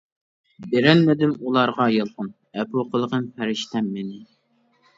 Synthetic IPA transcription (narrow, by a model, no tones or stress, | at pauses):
beɾɛnmɪd̪ɪmulˠɑɾʁɑjəlˠqʊn | ɛpuqʰəlˠəʁənfæɾɪʃt̪ʰɛmːenɪ